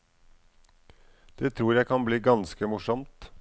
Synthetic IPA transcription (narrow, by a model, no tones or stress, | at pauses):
d̪̥eːt̪ʰɾuːɾjæɪkʰɑnbliːɡɑnskəmʊʂɔmt̪